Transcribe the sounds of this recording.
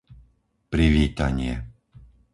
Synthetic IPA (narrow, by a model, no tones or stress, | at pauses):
pɾiʋiːt̪aɲɪɛ